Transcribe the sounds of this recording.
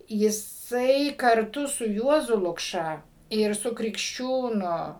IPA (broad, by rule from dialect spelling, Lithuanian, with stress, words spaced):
jɪˈsɐɪ kɐrˈtʊ sʊ ˈjuɔzʊ lˠʊkˈʃɐ ɪr ˈsʊ krʲɪkʃʲˈt͡ʃʲuːnʊ